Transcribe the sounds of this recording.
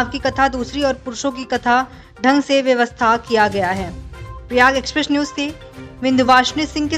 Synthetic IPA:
ʋkikɐt̪ʰad̪uːsɾiɔːɾpʊɾʊʃõk̬ikɐt̪ʰa | ɖʱɐ̃ŋɡseʋjɐʋəst̪ʰakijaɡɐjaɦɛːpɾɪjaːɡeːkspɾesnjuːzse | ʋɪ̃nd̪ʱʊʋaːʃnisɪ̃ŋɡke

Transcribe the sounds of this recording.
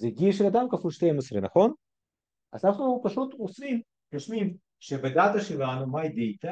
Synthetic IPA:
zeɡiʃelad̪amkafulʃt̪ejmosɾenaχo̞n | ʔa̰zanaχnupaʃut̪osvim | ɡaʃmim | ʃebed̪at̪aʃelanumajd̪ejt̪a

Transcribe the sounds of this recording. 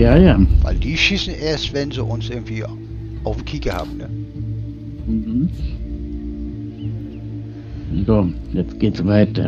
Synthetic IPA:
jaːjaːva̰ɪldiːʃisn̩ʔeːɐstvɛnziʔʊnsʔɪɐɡŋ̩tv̥iː | ʔaʊfm̩kʰiːkəha̰ːbm̩nə | m̩hm̩ | zoːjɛt͡stɡ̥eːtsvaɪtɐ

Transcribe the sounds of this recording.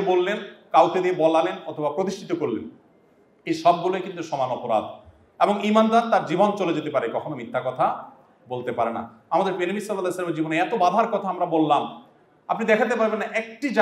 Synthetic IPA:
bolːenkawt̪ʰed̪iebɔlalenɔt̪ʰobapɾot̪̬iʃʈʰit̪okoɾlḛn | eʃɔb̚ɡulojkint̪uʃɔmanɔpoɾa̰d̪ | eboŋimand̪aɾt̪aɾd͡ʑibont͡ɕoled͡ʑet̪epaɾekɔkʰonomit̪ʰːakɔt̪ʰa | bolt̪epaɾena̰ | amad̪eɾpeɾimisɔlːalaslameɾd͡ʑiboneɛt̪obad̪ʱaɾkɔt̪ʰaamɾabolːam | apnid̪ɛkʰat̪̬epaɾbenːaʔek̚ʈid͡ʑa

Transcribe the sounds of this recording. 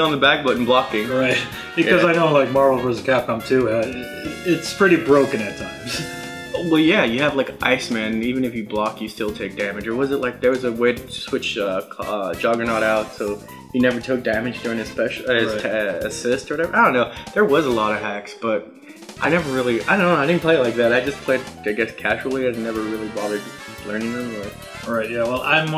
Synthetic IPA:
n̩ðəbæk̚b̥ʊʔn̩blɑkɪ̃ŋɹaɪt̚ | ɨʌzaɪnoʊlaɪk̚mɑɹvl̩ˠɹəzɨkʰæp̚kʰʌ̃mtʰʉ | ɪtspʰɹ̥ɪɾibɹoʊkɨ̃nɨtʰãɪ̃mz̥ | wɛlˠjæjɨːvlaɪkʔa̰ɪsmæ̃nivɨ̃nɨfjɨblɑk̚tjɨstɪlˠtʰeɪk̚d̥æmɨd͡ʒə˞wʌzɨt̚ˡlʔaɪk̚ðə˞wʌzəweɪɾɨswɪt͡ʃʌʌ̥d͡ʒɑɡənɑɾaʊtsoʊ | hinɛvə˞tʰʊk̚d̥æmɨ̥d͡ʒdʊɹɪ̃ŋɨz̥spɛʃɨztʰɨsɪstə˞wʌɾɛvə˞aɪdõʊ̃nːoʊðə˞wʌzəlɔɾʌɦæksb̥ʌt̚ | ʔaɪnɛvə˞ɹɪlˠiaɪdõʊnooʊɪɾɪdⁿn̩pʰl̥eɪlaɪk̚ðæɾaɪd͡ʒʌspʰl̥eɪd̚aɪɡɛskʰæʒl̩ˠiaɪdⁿnɛvə˞ɹɪlˠiwɑðə˞d̚ | lɜ̃˞nɪ̃ŋɨ̃m | ɹaɪt̚jæwɛlˠãɪ̃m

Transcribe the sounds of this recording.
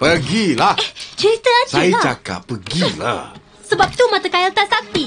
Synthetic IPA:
pəɡilaht͡ʃəɾit̪əad͡ʒsajat͡ʃaka̰pːəɡila̰h | səbap̚t̪umat̪akaɪlt̪aʔsak̚t̪i

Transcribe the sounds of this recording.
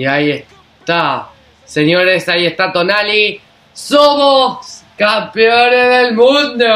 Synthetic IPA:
iaies | t̪a | senjoɾesaiest̪at̪onali | somoskampeonezðelmũnd̪o

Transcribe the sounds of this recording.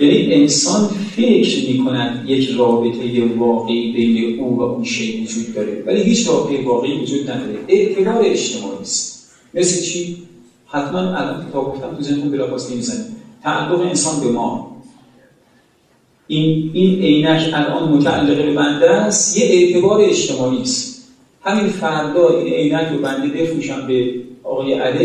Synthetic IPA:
jæniʔe̞nsɒːnfe̞cʰɾmiːkʰonæd̪jecʰrɒːbe̞t̪ʰe̞jevɒːɣe̞ʔiːbe̞jneʔuːvæʔunʃejvod͡ʒuːd̪̚ːɒːɾḛvæliːɦiːt͡ʃrɒːbet̪ʰejevɒːɣe̞ʔiːvod͡ʒuːd̪̚næd̪ɒːɾeʔe̞ʔt̪ʰebɒːɾeed͡ʒt̪ʰe̞mɒ̰ːʔiːst̪ | me̞slet͡ʃʰiː | hæt̪ʰmænælʔɒ̰ːnkʰet̪ɒːb̚ɡo̞ft̪æmt̪ʰuzennumbelɒːxɒːsnemiːzænit̪ʰæʔæ̰lːoɣeensɒːnbe̞mɒː | ʔinine̞jnæcʰælʔɒ̰nmot̪ʰæʔæ̰lːeɣebe̞bænd̪æst̪jeʔeʔt̪ʰe̞bɒːɾeeʃt̪e̞mɒːʔiːst̪ | hæminfæɾd̪ɒːʔinʔe̞jnæcʰɾobænd̪e̞be̞fɾuʃæmbe̞ʔɒːɣɒːjeʔæle

